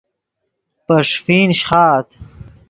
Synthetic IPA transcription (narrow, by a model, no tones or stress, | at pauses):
pɐʂfiːnɕχaːt̪